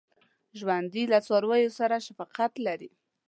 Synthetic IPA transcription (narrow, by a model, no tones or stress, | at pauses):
ʒwand̪ilat͡sɑɾwajosaɾaʃafɑqat̪laɾi